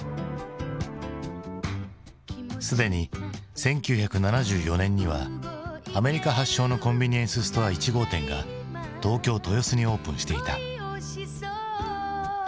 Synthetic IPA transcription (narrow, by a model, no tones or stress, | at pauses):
sɨd̪e̞ɲ̟isẽ̞ŋkʲɨːçakɯ̟nanaʑɨːjo̞nẽ̞ɲ̟ːiβa̰ | ame̞ɾʲikaɦaɕːo̞ːno̞kõ̞mbʲiɲ̟iẽsɨsɨ̥t̪o̞βait͡ɕiɡo̞ːt̪ẽ̞ŋɡa̰ | t̪o̞ːkʲo̞ːt̪o̞jo̞sɨɲ̟io̞ːpɯ̟̃ɰ̃ɕi̥t̪e̞it̪a